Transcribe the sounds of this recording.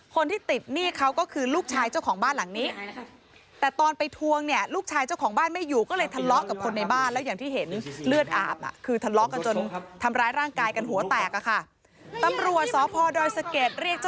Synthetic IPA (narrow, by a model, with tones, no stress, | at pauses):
kʰo˧nt̪ʰiː˥˩t̪i˨˩t̪̚niː˥˩kʰa˦˥wkɔː˥˩kʰɯː˧luː˥˩k̚t͡ɕʰaː˧jt͡ɕa˥˩wkʰɔː˩˦ŋbaː˥˩nla˩˦ŋniː˦˥ | t̪ɛː˨˩t̪ɔː˧npa˧jt̪ʰu˧əŋni˥˩əluː˥˩k̚t͡ɕʰaː˧jt͡ɕa˥˩wkʰɔː˩˦ŋbaː˥˩nma˥˩jːuː˨˩kɔː˥˩lɤː˧jt̪ʰa˧lɔ˦˥ʔka˨˩p̚kʰo˧nːa˧jbaː˥˩nlɛː˦˥wjaː˨˩ŋt̪ʰiː˥˩ɦe˩˦nlɯ˥˩ət̪̚ʔa̰ː˨˩p̚ʔa̰˨˩kʰɯː˧t̪ʰa˧lɔ˦˥ʔka˧nt͡ɕo˧nt̪ʰa˧mɾaː˦˥jɾaː˥˩ŋkaː˧jka˧nɦu˨˩˦t̪ɛː˨˩k̚a˧˩kʰa˥˩ | t̪a˧mɾu˨˩ət̪̚sɔː˩˦pʰɔː˧dɔː˧jsa˧ke˨˩t̪̚ɾi˥˩ək̚a˥